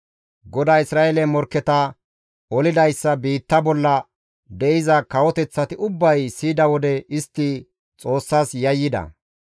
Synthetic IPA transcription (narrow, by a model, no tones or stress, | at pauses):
ɡɔd̪aːɪsɾaːʔelɛmɔɾkːɛt̪ɐ | ɔlɪd̪ɐjsːɐbiːt̪ːɐbɔlːɐ | d̪ɛʔɪzɐkɐwɔt̪ɛt͡sːɐt̪ɪʊbːɐjsiːd̪ɐwɔd̪ɛɪst̪ːɪ | t͡sʼo̞ːsːaːsjɐjːɪd̪ɐ̰